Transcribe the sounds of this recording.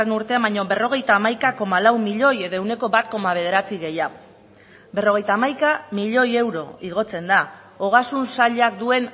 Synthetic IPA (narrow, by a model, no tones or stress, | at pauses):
enuɾt̪e̞ambajɲoβe̞ro̞ɣ̞e̞jt̪aːmajkako̞malawmiʎo̞je̞ðoewne̞ko̞βat̪̚ko̞maβe̞ð̞e̞ɾat͡siɣe̞ja | be̞ro̞ɣ̞e̞jt̪aːmajkamiʎo̞je̞wɾo̞̰iɣ̞o̞t͡se̞nd̪a | oɣ̞asunsaʎak̚d̪ue̞n